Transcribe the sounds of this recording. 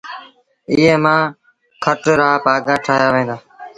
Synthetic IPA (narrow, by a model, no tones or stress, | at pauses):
ɪːɦeːmãː | kʰəʈɾaːpaːɡaːʈʰaːɦjaːʋẽːnd̪aː